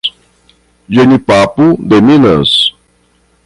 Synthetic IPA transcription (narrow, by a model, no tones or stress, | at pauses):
ʒenipapud̪emĩnɐs